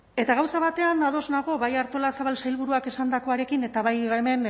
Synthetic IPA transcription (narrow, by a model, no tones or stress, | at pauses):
e̞t̪aɣ̞awsaβat̪e̞anaðo̞znaɣo̞βajaɾt̪o̞lasaβalsajlβuɾuake̞sand̪ako̞aɾe̞kine̞t̪aβajeme̞n